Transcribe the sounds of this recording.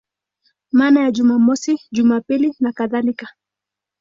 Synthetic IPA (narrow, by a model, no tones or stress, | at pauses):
manajaʄumamɔsiʄumapilinakaðalika